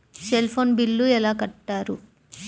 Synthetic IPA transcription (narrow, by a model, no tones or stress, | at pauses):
selpʰoːnbilːuɛlaːkɐʈːaːɾu